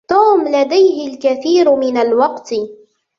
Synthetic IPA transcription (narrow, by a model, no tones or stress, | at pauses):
t̪uːmlad̪ajɦɪlkaθiːɾmɪnalwɑqt̪